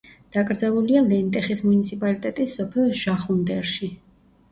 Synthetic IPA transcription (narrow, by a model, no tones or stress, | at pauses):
d̪̥akʼɾd̪zɛvulialɛnt̪ʼɛχismunit̪sʰipʼalit̪ʼɛt̪ʼisːɔpʰɛlˠʒ̥aχund̪ɛɾʃi